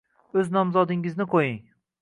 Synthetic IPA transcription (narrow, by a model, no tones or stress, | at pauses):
ɵznɒmzɒd̪ɪŋɪznɪqʰojɪŋ